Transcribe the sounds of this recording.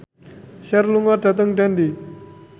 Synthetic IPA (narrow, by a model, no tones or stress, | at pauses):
ɕaɾluŋaʈ͡ʂat̪aŋʈ͡ʂand̪i